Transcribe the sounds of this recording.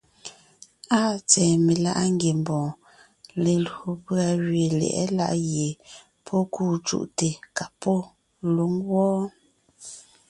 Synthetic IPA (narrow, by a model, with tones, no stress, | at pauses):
aː˦˨t͡sɛː˨me˨la̰˦ʔa˦ŋ˦ɡje˨m˨bɔ̃ː˨ | le˨lo˨pɰa˨ɣɥe˨lɛ̰˨ʔɛ̰˦la̰˦ʔje˨ | pʰɔ˦kuː˦˨t͡ʃṵ˦ʔte˨ka˨pɔ˦ | lu˦ŋwɔː˦